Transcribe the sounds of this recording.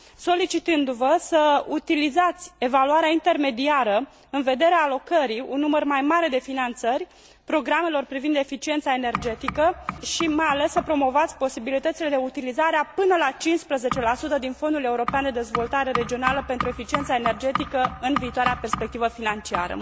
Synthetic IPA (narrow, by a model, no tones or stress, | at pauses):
so̞lit͡ʃit̪ɨnd̪uvəsəut̪ilizat̪sʲe̞valuaɾeaint̪e̞rme̞d̪iaɾə | ɨnve̞d̪e̞ɾeaːlo̞kəɾiṵnːumərmajmaɾe̞d̪e̞finant̪sərʲ | pɾo̞ɡɾame̞lo̞rpɾivind̪e̞fit͡ʃiet̪sae̞ne̞rd͡ʒe̞t̪ikəʃimajale̞sːəpɾo̞mo̞vat̪sʲpo̞sibilit̪ət̪sile̞d̪eut̪ilizaɾeapɨnəlat͡ʃinspɾəze̞t͡ʃe̞lasut̪əd̪info̞nd̪ule̞uɾo̞peand̪e̞d̪e̞zvo̞lt̪aɾe̞ɾe̞d͡ʒio̞naləpe̞nt̪ɾue̞fit͡ʃiensaene̞rd͡ʒe̞t̪ikəɨnviːt̪owaɾeape̞rspek̚t̪ivəfinant͡ʃia̰ɾə̰